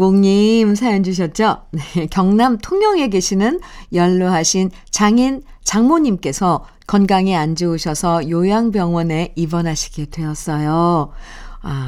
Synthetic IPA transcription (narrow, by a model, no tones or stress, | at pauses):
koŋɲimsʰajʌnd͡ʑuɕ̬ʰʌt̚t͡ɕ͈onekjʌŋnamtʰoŋjʌŋe̞ɡeɕʰinɯnjʌɭːoɦaɕʰin | t͡ɕaŋin | t͡ɕaŋmoɲimk͈e̞sʰʌ | kʌnɡaŋiand͡ʑiuɕʰʌsʰʌjojaŋbjʌŋwʌne̞ibʌnɦaɕʰi̥ɡedwe̞ʌs͈ʌjo | a